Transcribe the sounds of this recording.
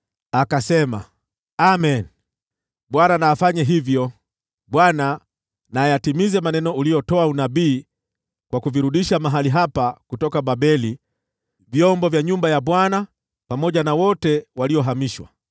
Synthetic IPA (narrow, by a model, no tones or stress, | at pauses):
akasɛma̰ | amɛn | ɓwananaːfaɲaɦivjɔ | ɓwana | najatimizɛmanɛnɔulijɔtɔaunabiː | kwakuviɾuɗiʃamaɦaliɦapakutɔkaɓaɓɛli | vjɔmbɔvjaɲumbajaɓwana | pamɔʄanawɔtɛwaliɔɦamiʃwa̰